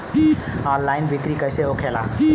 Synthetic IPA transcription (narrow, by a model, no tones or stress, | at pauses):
anlajnbʱikɾikəjseokʰela̰